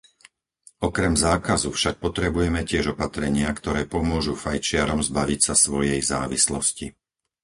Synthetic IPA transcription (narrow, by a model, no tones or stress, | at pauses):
ɔkɾɛmzaːkazufʃak̚pɔt̪ɾɛbujɛmɛcɪɛʒɔpat̪ɾɛɲɪakt̪ɔɾɛːpɔmʊɔʒufajt͡ʃɪaɾɔmzbaʋicsasʋɔjɛjza̰ːʋḭslɔsci